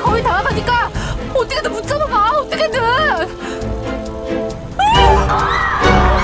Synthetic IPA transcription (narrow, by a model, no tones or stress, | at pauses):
kʌitaɾatʰaɲik͈aʌt͈ʌkʰeoput͡ɕ͈amamaot͈ʌkʰene